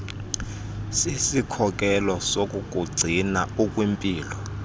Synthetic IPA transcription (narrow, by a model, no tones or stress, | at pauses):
sisikʰɔkʼɛlɔsokʼuk̬ʼuɡ͡ǀʱinaukʼwimpʼiːlɔ